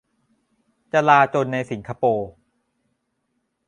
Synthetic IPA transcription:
t͡ɕa˧laː˧t͡ɕo˧nːa˧jsi˩˦ŋkʰa˧poː˧

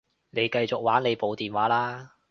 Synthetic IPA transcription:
ne˨˧jkɐ˧jt͡sʊ˨k̚waː˨˥nle˨˧jpo˨˧wt̪iː˨˩nwaː˨˥laː˥

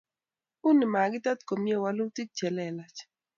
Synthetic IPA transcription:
u˦ni˨ma˨ɡɪ˦ta˦t̪ko˨mje˦wa˦lu˦ti˦t͡ʃɛ˨lɛ˨la˨t͡ʃ

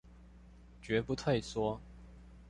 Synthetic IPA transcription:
t͡ɕɥɛ˨˧˥pu˧˥t̪ʰwe˥˩ɪswɔ˥

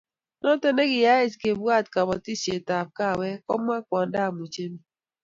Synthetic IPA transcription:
nɔ˦te˦ne˦ɡɪ˨ja˦ɪ˦ske˨bwa˦˨tka˨bɔ˨ti˦se˨ta˨p̚ka˦˨wɛ˦kɔ̰˦mːa˦kwɔ˨nda˦˨mu˨t͡ʃe˦mi˦

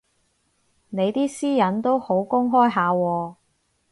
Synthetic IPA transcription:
ne˨˧jt̪iː˥siː˥jɐ˨˥nt̪o˥who˨˥wkʊ˥ŋɦɔː˥jɦaː˨˧wɔː˧

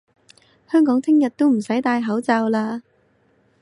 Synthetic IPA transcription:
hœː˥ŋkɔː˨˥ŋt̪ʰɪ˥ŋjɐ˨t̚t̪o˥wm̩˨˩sɐ˨˥jt̪aː˧jɦɐ˨˥wt͡sɐ˧wlaː˧

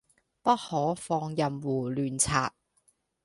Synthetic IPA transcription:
pɐ˥t̚hɔː˨˥fɔː˧ŋjɐ˨mwuː˨˩lyː˨nt͡sʰa̰ː˧˨t̚

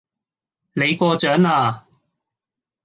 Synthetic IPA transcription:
ne˨˧jkɔː˧t͡ʃœː˨˥ŋaː˧

